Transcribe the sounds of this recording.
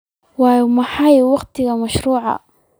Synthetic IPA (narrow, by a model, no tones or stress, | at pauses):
wɑːjmɑħɑjwɑqt̪ʰɪɣɐmɐʃɾuːʕɑ̰